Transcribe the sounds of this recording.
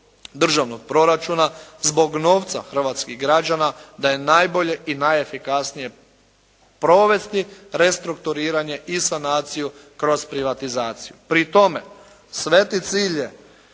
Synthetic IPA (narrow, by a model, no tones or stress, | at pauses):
d̪r̩ʒaʋnoɡ̚pɾo̞ɾat͡ʃuːnazbo̞ɡno̞ːʋt̪sa̰xr̩ʋaːt̪skiɣɡɾad͡ʒanad̪aje̞najbo̞ʎe̞ʔinajefikasnije̞ | pɾo̞ʋe̞st̪iɾe̞st̪ɾukt̪uɾiːɾaɲe̞ʔisanaːt̪sijukɾo̞zpɾiʋat̪izaːt̪sijupɾit̪o̞me | sʋe̞t̪it̪siːʎje